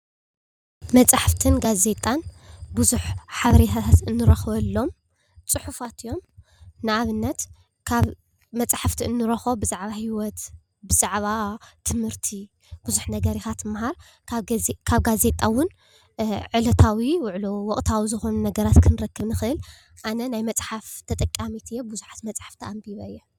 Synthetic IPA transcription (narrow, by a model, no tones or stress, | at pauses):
mɐt͡sʼaħaft̪ʰɨnɡaze̞t̪ʼanbuzuħħaβɐɾet̪ʰat̪ʰat̪ɨnːɨɾɐxβɐlːo̞m | t͡sʼɨħufat̪ijo̞m | nɨaβɨnːɐt̪ | kʰaβ | mɐt͡sʼḁħaft̪ʰiɨnːɨɾɐxobɨzaʕβahiwɔt̪ | bɨzaʕβat̪ʰɨmhɨɾt̪ʰi | b̥uzuħnɐɡɐɾixat̪ɨmːaɦaɾ | kakʰaβɡaze̞t̪ʼawʊn | ʕɨlɐt̪ʰawiwʊʕlowɔkʼt̪ʰawizɨxo̞nunɐɡɐɾat̪kʰɨnɨɾɐkːɨβnɨxɨʔɨl | ʔanɐnajmɐt͡sʼħaft̪ʰɐt̪ʼɐkʼːamit̪ʰɨjːebuzuħḁt̪mɐt͡sʼħaft̪ʰiʔambiβɐɨjːɛ